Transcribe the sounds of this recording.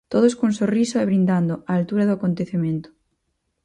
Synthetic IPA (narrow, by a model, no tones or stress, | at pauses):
t̪oðoskonsorisoɛβɾind̪and̪oʔaːlt̪uɾaðoakont̪eθemẽnt̪o̥